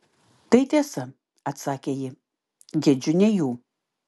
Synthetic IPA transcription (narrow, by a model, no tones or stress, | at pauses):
t̪ɐɪt̪ʲiɛsɐ | ɐt̪sɑːkʲeːjɪ | ɡʲɛd͡ʒʲʊnʲɛjuː